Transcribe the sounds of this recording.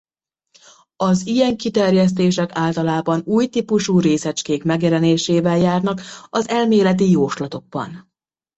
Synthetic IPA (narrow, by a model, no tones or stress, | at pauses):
ɒzijɛŋkit̪ɛrjɛs̬t̪eːʃɛkaːlt̪ɒlaːbɒnuːjt̪ipuʃuːɾeːsɛt͡ʃkeːkmɛɡjɛlɛneːʃeːvɛljaːrnɒkɒzɛlmeːlɛt̪̬ijoːʃlɒt̪o̞ɡ̚bɒ̰n